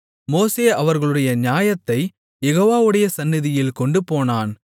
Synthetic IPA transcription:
moːseːʔɐʋɐɾɣɐɭɯɽɐjɐnjaːjɐt̪ːɐɪ | jɛɣoːʋaːʋɯɽɐjɐsɐnːɪðɪjɪlkɔɳɖɯpoːnaːn

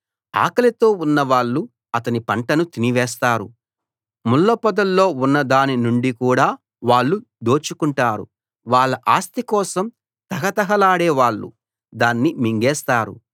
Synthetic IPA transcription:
a̰ːkɐlɐt̪o̞ːunːɐʋaːɭːu | ɐt̪ɐnipɐɳʈɐnut̪iniʋɛːs̬t̪aːɾṵ | mulːɐpɐd̪ɐlːo̞ːunːɐd̪aːninuɳɖikuːɽaː | ʋaːɭːu | d̪o̞ːt͡ʃukuɳʈaːɾṵ | ʋaːɭːɐʔaːst̪ikɔːsɐm | t̪ɐɦɐt̪ɐɦɐlaːɽeːʋaːɭːṵ | d̪aːnːimiŋɡɛːst̪aːɾṵ

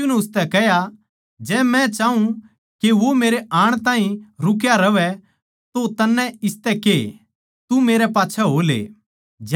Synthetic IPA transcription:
unɛʊst̪ɛkɛɦja | d͡ʒɛːmɛ̃t͡ʃaːũ | keʋomeːɾeʔaːɽ̃t̪ãːĩɾʊkjaɾɐʋɛ | t̪ot̪ɐnːɛ̃ɪst̪ɛke | t̪umeːɾɛpaːtːʃʰɛɦoːlḛː | d͡ʒ

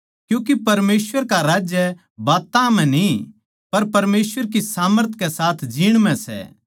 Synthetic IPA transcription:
kjũːkipɐɾmeːsʋəɾkaɾaːd͡ʒjə | baːt̪ãmɛ̃ni | pɐɾpɐɾmeːsʋəɾk̬isaːməɾt̪ʰkɛsaːt̪ʰd͡ʒiːɽ̃mɛ̃sɛ̰

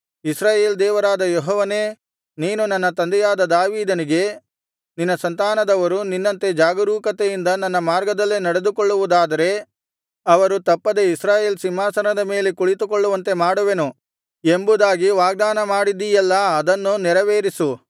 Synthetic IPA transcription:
isɾaːje̞ːld̪ɛːʋɐɾaːd̪ɐjɔɦɔːʋɐne̞ː | niːnunɐnːɐt̪ɐnd̪ɛjaːd̪ɐd̪aːʋiːd̪ɐniɡe̞ | ninːɐsɐnt̪aːnɐd̪ɐʋɐɾuninːɐnt̪e̞d͡ʒaːɡɐɾuːkɐt̪ejind̪ɐnɐnːɐmaːɾɡɐd̪ɐlːenɐɽe̞d̪ukoɭːuʋud̪aːd̪ɐɾe̞ | ɐʋɐɾut̪ɐpːɐd̪e̞isɾaːje̞ːlsimːaːsɐnɐd̪ɐme̞ːlekuɭit̪ukoɭːuʋɐnt̪e̞maːɽuʋenu | embud̪aːɡiʋaːɡ̚d̪aːnɐmaːɽid̪ijɐlːɐɐd̪ɐnːunɛɾɐʋeːɾisu

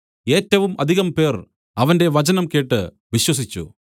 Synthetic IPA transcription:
e̞ːtːɐʋumɐd̪ʱiɣɐmpe̞ːr | ɐʋɐnde̞ʋɐt͡ɕɐnɐmke̞ːʈːɨ | ʋiɕwɐsit͡ɕːṵ

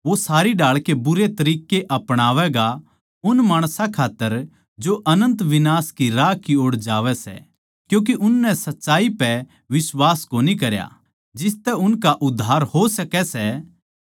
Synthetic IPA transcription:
ʋosaːɾiɖaːɭkebʊɾet̪ɐɾiːkeʔɐpɽ̃aːʋɛɡa | ʊnmaːɽ̃sãkʰaːt̪ːəɾ | d͡ʒoʔɐnə̃nt̪ʋɪnaːskiɾaːkioːɽd͡ʒaːʋɛsɛ̰ | kjũːk̬eʔʊnːɛsɐtːʃaːipɛ | ʋɪswaːskoːnikɐɾja̰ | d͡ʒɪst̪ɛʊnkaʔʊd̪ʱːaːɾhosɐkɛsɛ

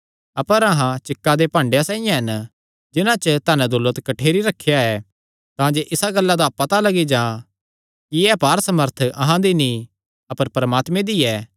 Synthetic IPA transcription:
ɐpəɾɐɦãt͡ʃɪkːad̪epãːɳɖejasãːijãɦɐn | d͡ʒɪnãt͡ʃət̪aːnɛ̃d̪ʊlːət̪kɐʈʰeːɾiɾɐkʰːjaɛː | t̪ãːd͡ʒeʔɪsaɡɐlːad̪apɐt̪alɐɡid͡ʒãː | kiɛpaːɾsɐməɾt̪ʰɐɦãd̪inĩ | ɐpəɾpɐɾmaːt̪mẽd̪iɛː

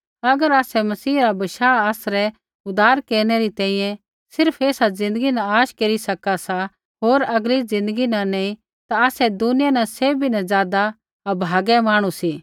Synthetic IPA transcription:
ɐɡəɾaːsɛmɐsiːɾabɐʃaːaːsɾɛ | ʊd̪aːɾkeːɾñɛɾit̪ɛ̃ːĩjɛ̃ | sɪɾpʰeːsad͡zɪ̃nd̪əɡinãaːʃkeːɾisɐkasa | ɦoːɾɐɡɾid͡zɪ̃nd̪əɡinɐ̃nẽĩ | t̪aaːsɛd̪ʊnɪjanɐ̃seːbʱinɐ̃zjaːd̪a | ɐbʱaːɡɛmaːɽ̃ũsi

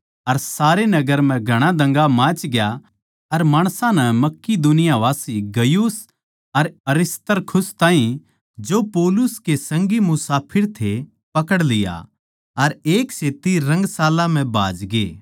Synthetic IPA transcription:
ɐɾsaːɾenɐɡəɾm̤ɛ̃ɡʱɐɽ̃ãd̪ɐ̃ŋɡamãːt͡ʃɡja | ɐɾmaːɽ̃sãnɛmɐkːid̪ʊnɪjaʋaːsiɡɐjuːs | ɐɾɐɾɪst̪əɾkʰʊst̪aːɦĩ | d͡ʒoːpɔːlʊskesɐ̃ŋɡimʊsaːpʰɪɾt̪ʰe | pɐkəɽlɪja̰ | ɐɾeːkseːt̪iɾɐ̃ŋɡsaːlãm̤ɛ̃bʱa̰ːd͡ʒɡḛː

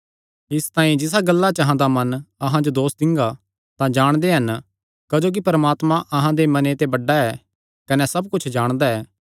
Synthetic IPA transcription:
ɪst̪ãːĩd͡ʒɪsaɡɐlːat͡ʃɐɦãd̪amɐnɐɦãd͡ʒod̪oːsd̪ɪ̃ŋɡa | t̪ãd͡ʒaːɽ̃d̪eɦɐn | kɐd͡ʒoːk̬ipɐɾəmaːt̪mãʔɐɦãd̪emɐnet̪ebɐɖːaɛː | kɐnɛsɐbkʊt͡ʃʰd͡ʒaːɽ̃d̪aɛː

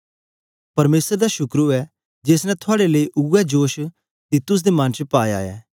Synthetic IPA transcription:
pɐɾmeːsəɾd̪aʃʊkɾuɛː | d͡ʒeːsnɛ̃t̪ʰʊaːɽeləiʔʊɛd͡ʒoːʃ | t̪it̪ʊs̬d̪emɐnt͡ʃpaːja̰ːɛ̰ː

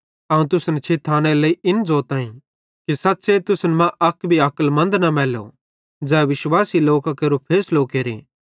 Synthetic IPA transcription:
ɐːũt̪ʊsnɛt͡ʃʰeːt̪ʰaːñelɐiɪnd͡zoːt̪aːĩ | kisɐtːset̪ʊsnmãʔɐkbʱiɐkəlmɐ̃nd̪nɐmɛːlo̰ | d͡zɛːʋɪʃwaːsiloːkakɐɾopʰeːslokeːɾḛː

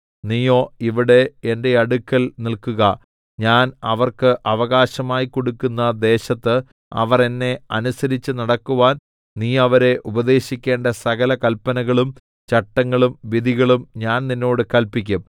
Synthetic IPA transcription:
niːjo̞ːiʋiɽe̞ende̞ɐɽukːɐlnilkuɣɐ | ɲaːnɐʋɐrkɨʔɐʋɐɣaːɕɐmaːjiko̞ɽukːunːɐd̪e̞ːɕɐt̪ːɨ | ɐ̰ʋɐre̞nːe̞ɐnusɐɾit͡ɕːɨnɐɽɐkːuʋaːn | niːɐʋɐɾe̞ʔubɐd̪e̞ːɕikʲːe̞ːɳɖɐsɐɣɐlɐkɐlpɐnɐɣɐɭum | t͡ɕɐʈːɐŋːɐɭumʋid̪ʱiɣɐɭumɲaːnninːo̞ːɽɨkɐlpikʲːum

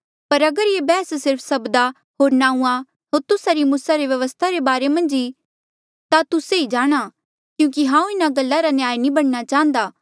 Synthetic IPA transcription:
pɐɾɐɡəɾjebɛːssɪɾpʰsɐbd̪a | ɦoːɾnãːũa | ɦoːɾt̪ʊsaɾimuːsaɾeʋjɐʋəst̪ʰaɾebaːɾemɐ̃nd͡ʒi | t̪at̪ʊseid͡ʒaːɽ̃a | kjũːkiɦãːũɪnaɡɐlːaɾanjaːinibɐɽ̃ñat͡ʃaːɦə̃nd̪aː

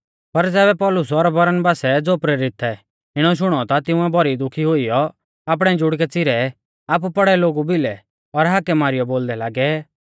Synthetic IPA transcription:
pɐɾd͡zɛːbɛpɔːlʊs̬ɔɾbɐɾənbaːsɛd͡zoːpɾeːɾɪt̪ʰɛ | ɪɽ̃ɔʃ̬ʊɽ̃ɔt̪at̪ɪ̃ʊ̃ɛbʱɔɾid̪ʊkʰiɦʊijɔ | aːp̬ɽ̃ɛ̃d͡ʒʊɽkɛt͡sɪɾɛ | aːp̬upɐɽɛloːɡubɪlɛ | ɔɾɦakɛmaːɾɪjɔboːld̪ɛlaːɡɛ

